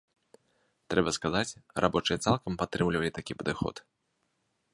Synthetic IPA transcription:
t̪ɾɛbɐskazat͡sʲrʔabɔt͡ʂɨjɐt̪salˠkɐmpat̪ːɾɨmlʲivɐlʲit̪akʲipɐd̪ɨxɔ̰t̪

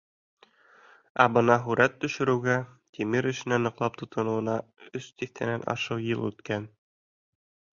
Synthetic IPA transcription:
æbɤnɑɦʉɾæt̪ːɵ̆ʃɘ̆ɾɘ̆wɡæt̪ʰimiɾɘ̆ʃɘ̆nænɤ̆qlˠɑp̚t̪ŏt̪ɤ̆nŭwɤ̆nɑɵst̪iθt̪ʰæ̰nænʔɑ̰ʃɤwjɤlˠʉ̰t̪kæn

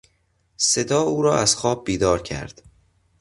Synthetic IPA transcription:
se̞d̪ɒːuːɾɒːʔæz̥xɒːb̚ːiːd̪ɒːɾcʰæ̰ɾd̪̥

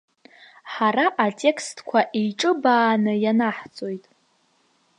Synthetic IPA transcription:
ħaɾaʔatʼe̞kʰstʰkʷʰaʔijʈ͡ʂʼɨbaːnɨjanaħt͡sʼo̞jtʼ

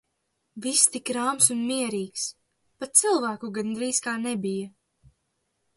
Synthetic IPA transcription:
vist̪ikɾaːmsunmiɛɾiːks | pat̪̚t̪silˠvæːkuɡand̪ɾiːskaːnɛbija

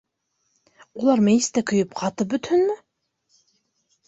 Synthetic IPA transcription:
ulˠɑɾmejst̪ækɵ̆jɵpqʰɑt̪ɤp̚bɵ̆t̪hɵnmɘ

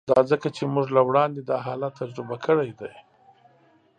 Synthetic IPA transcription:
d̪ɑzəkat͡ʃemuʒlawɽɑnd̪ed̪ɑɦɑlat̪ːad͡ʒɾɪbakʰəɽajd̪aj

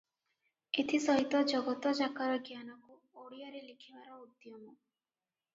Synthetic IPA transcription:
et̪ʰisɔɦit̪ɔd͡ʒɔɡɔt̪ɔd͡ʒakaɾɔɡjanɔku | oɽijɔɾelikʰibaɾɔud̪jɔmɔ

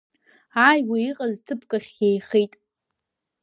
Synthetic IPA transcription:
aːjɡʷiiqʼaztʰɨpʰkʼaχʲjejχejtʼ

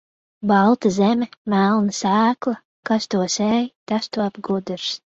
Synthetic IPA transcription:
bɑlˠt̪azɛmʲɛmælˠnasæːklˠɐ | kast̪uɔsɛːjt̪ast̪uab̚ɡud̪ɨɾs

